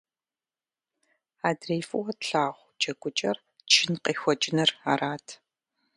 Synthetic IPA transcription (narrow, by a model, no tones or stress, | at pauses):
aːdreːfɨwɐtɬaːʁʷt͡ʃʼɐɡʷʼʊt͡ʃʼɐr | t͡ʃʰɪnqeːxʷɔt͡ʃʼɪnɐraːɾaːtʰ